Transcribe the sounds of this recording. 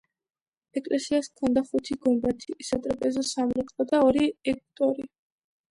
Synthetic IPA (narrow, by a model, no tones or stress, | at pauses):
ɛkʼlʔɛsiaskʰɔnd̪aχut̪ʰiɡɔmbat̪ʰisat̪ʼɾɔpʼɛzɔsamɾɛkʼɔd̪aɔɾiɛk̚ʰʼt̪ʼɔɾi